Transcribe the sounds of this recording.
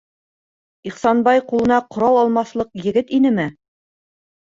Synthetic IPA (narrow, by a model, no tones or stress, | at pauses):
iχsɑnbɑjqulˠɤ̆nɑqŏɾɑwɑlˠmɑθlˠɤq̚jɘ̆ɡɘt̪inɘmɘ